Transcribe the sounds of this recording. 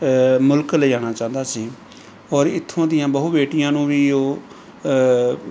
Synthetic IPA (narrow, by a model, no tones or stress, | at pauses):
mʊlkləiːaːñaːt͡ʃãːnd̪aːsiː | ɔːɾɪt̪ʰːõːd̪ɪjãːbəɦʊbeːʈɪjãːnũːʋiːoː